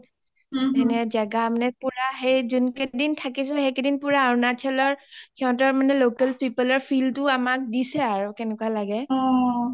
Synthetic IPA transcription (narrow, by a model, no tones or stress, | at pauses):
ɛnɛzaɡamanɛpuɹaxejzunkedintʰakisɔ̃hɛkedinpuɹaɹnat͡ʃʰɛlɔɹkʰiɦɔ̃tɔɹmanɛlokɛlpipəlɔɹpʰiltʊamak̚disɛaɹukɛnɛkwalaɡɛ